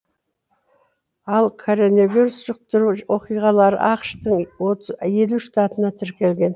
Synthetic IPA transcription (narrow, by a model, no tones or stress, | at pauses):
ɑlˠkʰo̞ɾonoviɾusʒ̥əq̚t̪əɾuwo̞qijʁɑlˠɑɾə̰ʔɑqʃt̪əɴwoje̞luʃt̪ɑt̪ənɑt̪ʰɪɾkʲe̞lɡʲe̞n